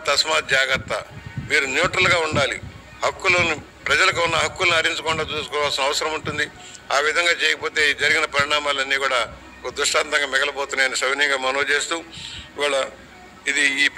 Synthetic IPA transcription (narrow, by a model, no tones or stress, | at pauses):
t̪ɐsmaːt̪̚d͡ʒaːɡɐt̪ːɐ̰miːɾunjuːʈɾɐlɡaːuɳɖaːli | hɐkːulɐni | pɾɐd͡ʒɐlɐk̬uunːɐɦɐkːulɐniɐɾiɲt͡ʃɐkɔɳɖaːt͡ʃuːsu̥kɔːʋaːlsinɐʋɐsɐɾɐmuɳʈund̪i | aːʋid̪ʱɐŋɡaːt͡ʃɛːjɐkɐpo̞ːt̪e̞ːd͡ʒɐɾiɡinɐpɐɾiɳaːmaːlɐnːiːkuːɽaː | okɐd̪ɾuʂʈaːnt̪ɐŋɡaːmɛɡɐlɐboːt̪unːaːjɐnisɐʋinijɐŋɡaːmɐnoːt͡ʃeːst̪uːiʋaːɭɐ | id̪iːp